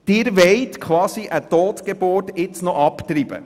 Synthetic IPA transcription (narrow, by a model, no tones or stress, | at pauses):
d̥ɪːɾʋɛɪtkʰʋɑːsiʔət̪oːt̪ɡ̥ebʊrtɪt͡snɔʔɑpt̪ɾib̥ə̰